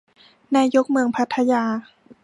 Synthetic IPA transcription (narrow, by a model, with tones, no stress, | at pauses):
naː˧˥jo˦˥k̚mɯ˧əŋpʰa˧˦˥t̪ʰːa˧jaː˧